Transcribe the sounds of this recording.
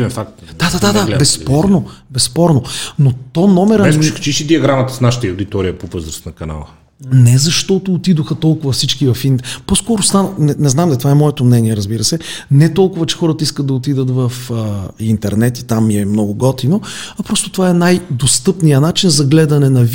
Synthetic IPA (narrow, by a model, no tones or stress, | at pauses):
ɛnfak̚t̪d̪̥ad̪ad̪ad̪abɛsːppɔɾnobɛsːpɔɾnonot̪ɔnɔmɛɾɛkt͡ʃiʃid̪iɐɡɾamət̪əsnaʃə̥t̪əiʊd̪it̪ɔɾijəpovɤzɾəsnɐkɐna̰lˠə | nɛzɐʃt̪ɔt̪oːt̪id̪oxɐt̪ɔlˠkʊvɐfsit͡ʃkivɐfint̪poskɔɾost̪annɛnɛznamd̪ɐlit̪ovaɛmɔɛt̪omnɛniɛɾəzbiɾəsɛnɛt̪ɔlˠkʊvɐt͡ʃɛ̥xɔɾət̪ɐiskət̪̚d̪ɐot̪id̪ət̪vɐfəint̪ɛɾnɛt̪it̪amːiɛmnɔɡʊɡɔt̪inoɐpɾɔst̪o̥t̪ovaɛnajd̪ost̪ɤpnijənat͡ʃinzɐɡlɛd̪ɐnɛnɐ